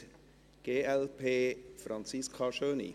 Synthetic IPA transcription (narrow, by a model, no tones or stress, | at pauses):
ɡ̥eːɛlpʰeːfɾɑnt͡siskʰaʃøːnḭ